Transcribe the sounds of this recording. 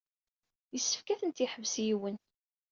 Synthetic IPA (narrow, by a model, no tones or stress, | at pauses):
jəsːə̥fkæθənt̪iħəvsjiwən